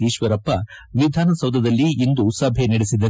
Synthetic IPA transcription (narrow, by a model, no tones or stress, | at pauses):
iːʃʋɐɾɐpːɐʋid̪ʱaːnɐsɐwd̪ʱɐd̪ɐlːiːnd̪usɐbʱenɐɽesid̪ɐ